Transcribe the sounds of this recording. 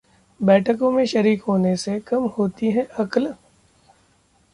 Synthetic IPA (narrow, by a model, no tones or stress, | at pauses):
bɛːʈʰəkõmẽʃɐɾiːkɦoːnesekɐmhoːt̪iɦɛ̃ʔɐkl